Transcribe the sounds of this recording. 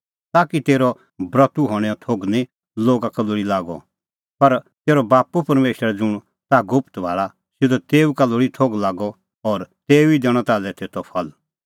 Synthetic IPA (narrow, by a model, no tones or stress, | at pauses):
t̪aːkit̪eːɾɔ | bɾɐt̪uɦɔːɽ̃ɛɔt̪ʰoːɡnĩ | loːɡakɐloɽilaːɡɔ̰ | pɐɾ | t̪eːɾɔbaːpupɐɾmeːʃəɾɛd͡zʊɽ̃ | t̪aɡʊpt̪ʋa̰ːɭa | sɪd̪ɔt̪eːukaloɽit̪ʰoːɡlaːɡɔ | ɔːɾt̪eːuid̪ɛːɽ̃ɔ̃t̪aːlɛt̪eːt̪ʰɔpʰɐl